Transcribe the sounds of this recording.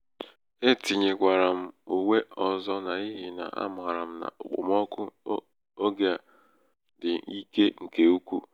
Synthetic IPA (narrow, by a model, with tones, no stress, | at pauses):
e˦ti˨ɲe˨kʷa˨ɾa˨m̩˦u˨we˦ɔ˨zɔ˦na˨i˦ɦɪ˨na̰˨ʔa̰˦m˨ɣa˨ɾa˨m̩˦na̰˨ʊ˨k͡pʊ̰˨mɔ˦kʊ˦ | o˦ɡja˨ | dɪ˨i˦ke˦ŋ̩˨ke˨u˦kʷu˦